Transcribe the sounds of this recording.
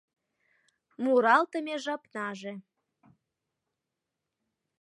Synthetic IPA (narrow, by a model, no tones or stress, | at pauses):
muɾɑlt̪əmeʒɑpnɑʒe